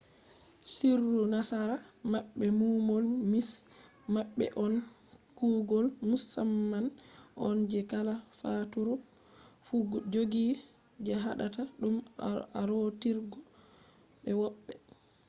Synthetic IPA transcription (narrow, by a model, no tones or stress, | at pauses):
sirːunasaɾamaɓːɛmumɔlmis | maɓːɛ̰ʔɔn | kuɡɔlmusamːanʔɔ̰nd͡ʒɛkalafatuɾɔ | fud͡ʒoɡi | d͡ʒɛɦaɗataɗumaɾotiɾɡɔ | ɓɛwɔɓːɛ